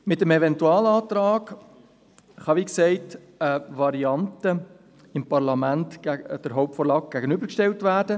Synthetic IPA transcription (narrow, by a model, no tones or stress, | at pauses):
mɪtəmɛvɛntuɑːlɑːt̪ɾɑːɡ | χɑʋiːksɛɪt | əvɑɾiɑntə | ɪmpɑɾlɑmæntæɡd̥əɾɦɔʊp̚tfɔːɾlɑːk̚ɡ̥æɡənʏbəɾkʃtɛltvæːɾdə